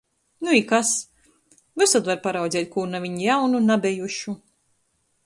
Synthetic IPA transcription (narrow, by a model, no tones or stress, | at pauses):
nuikas | vɨsat̪vaɾpaɾawd̪zʲɛːjt̪̚ʲkuːɾnavʲiɲjawnunabʲɛjuʃu